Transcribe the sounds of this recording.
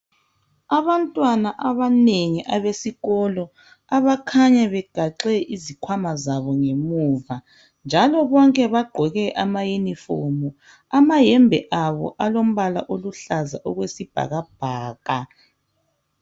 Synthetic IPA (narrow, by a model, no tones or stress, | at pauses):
aβantʼwanaʔaβaneŋiʔaβesiɣɔlɔ | aβakʰaɲaβɛɡ̥ʱaǁɛʔizikʰwamazaβɔŋemuːva | nd͡ʒʱalɔβɔŋkʼɛβaɡ͡ǃʱɔɣɛʔamajenifomu | amajɛmbʱɛ̰ʔaβɔ̰ʔalom̩βala̰ʔoluɬaza̰ʔɔɣwesib̥ʱa̰ɣab̥̚ʱaːɣa